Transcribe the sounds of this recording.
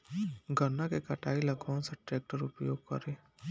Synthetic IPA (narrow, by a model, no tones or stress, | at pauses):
ɡʱənakekɐʈaːiləɡãseʈɾek̚ʈəɾʊpjoːɡ̚kɔ̰ɾeː